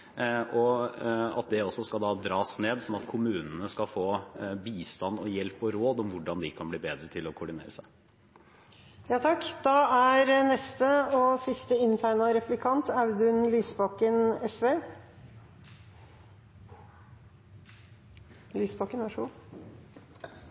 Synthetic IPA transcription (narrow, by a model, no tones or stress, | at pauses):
ɔ | ɑ̰t̪̚d̪ɛɔsːɔskɑld̪ɑːd̪ɾɑːsneːd̪sɔmɑt̪kʰʊmʉːnənəskɑfoːbiːst̪ɑnːɔjɛlpɔɾoːd̪ɔmʋʊɖɑnd̪ɪkʰɑnbliːbeːd̪ɾət̪ʰɪlɔkʰʊɖɪnḛːɾəsæɪ | jɑːt̪ʰɑkːd̪̥ɑːæɾnɛst̪əɔsɪst̪əɪnt̪ʰæɪnɑɾɛplɪkʰɑnt̪ɑʉd̪ʉnlyːsbɑːkənɛsʋeː | lyːsbɑːkənʋɑʂʊː